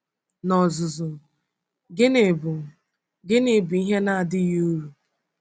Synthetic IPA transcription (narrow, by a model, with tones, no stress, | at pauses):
nɔ˨zʊ˨zʊ˨ | ɡɪ˦n˨ʊ˨ | ɡɪ˦ni˨bu˨i˦ɦe˦na˦a˨dɪ˦jo˦ɾu˨